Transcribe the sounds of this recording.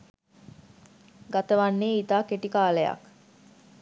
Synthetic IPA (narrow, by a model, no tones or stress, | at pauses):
ɡat̪əʋanːeːit̪aːkeʈikaːləja̰k